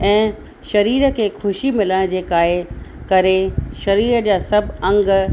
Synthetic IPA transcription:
ɛ̃ː | ʃɐɾiːɾə̆kʰeːxʰʊʃimɪləɽ̃d͡ʑeːkaːɦekɐɾeʃɐɾiːɾəd͡ʑaːsɐbʱɐ̃ŋɡ

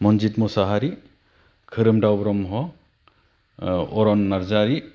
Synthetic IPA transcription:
mɔnd͡ʒitmusaɦaɾi | kʰɯɾɯmdawbɾɔmɦɔ | ɔɾɔnːaɾzaɾi

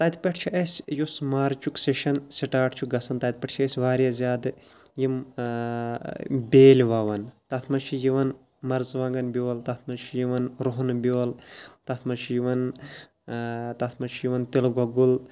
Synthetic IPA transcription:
t̪ɐt̪pʲɐʈʰt͡ʃʰiʔɐsʲjosmaːɾt͡ʃukseʃɐnsiʈaːʈʰt͡ʃʰuɡɐsɐnt̪ɐːt̪̚pʲɐʈʰt͡ʃʰɐesʲʋaːɾjazʲaːd̪ɨjim | bʲeːlʲʋaʋɐnt̪ɐt̪ʰmɐnt͡ʃʰijiʋɐn | mɐɾzʋaːŋɡɐnbioːlt̪ɐt̪ʰmɐnt͡ʃʰijiʋɐnɾoɦnbʲjoːlt̪ɐt̪ʰmɐnt͡ʃʰijiʋɐn | t̪ɐt̪ʰmɐnt͡ʃʰijiʋɐnt̪ilɡɐɡul

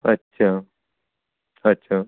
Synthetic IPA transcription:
ətːɕʰa | ətːɕʰa

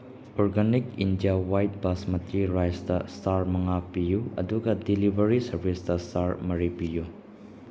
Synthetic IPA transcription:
ɔɾɡanikindijawajt̚basmɐntɾiɾajsdɐstaɾmɐŋapijuɐ̰duɡɐdilibʱɐɾisɐɾbʱisdɐstaɾmɐɾipiju

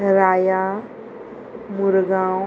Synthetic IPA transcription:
ɾaja | muɾɡã

